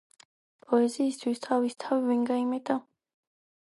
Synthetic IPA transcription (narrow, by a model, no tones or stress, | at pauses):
pʼɔɛziːst̪ʰwist̪ʰavist̪ʰaviviŋɡaimɛd̪a